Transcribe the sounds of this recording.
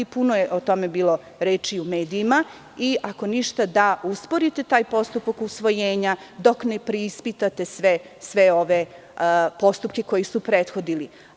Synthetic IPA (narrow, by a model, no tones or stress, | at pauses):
punojeʔot̪o̞mebiːlˠo̞ | ɾeːt͡ʃiumeːd̪iːma | iʔako̞niʃt̪ad̪auspo̞ɾit̪e̞t̪aːjpo̞st̪upakusʋo̞jeːɲa | d̪o̞knepɾeispit̪at̪e̞sʋe | sʋeo̞ʋe | po̞st̪upke̞ko̞jisupɾeːt̪xo̞d̪ili